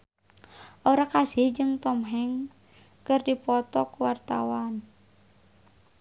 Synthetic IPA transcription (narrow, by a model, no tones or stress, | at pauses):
ʔoɾakasɪhd͡ʒɨŋt̪ɔmɦɛŋ | kərdipɔt̪ɔkuwart̪a̰wan